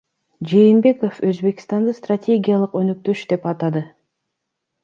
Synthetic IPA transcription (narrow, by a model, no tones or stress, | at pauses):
d͡ʒe̞jinbe̞ko̞føzbe̞kst̪ɑnd̪ɯst̪ratʲe̞ɡʲijalˠɯqønøk̚t̪ø̞ʃd̪e̞pɑt̪ɑd̪ɯ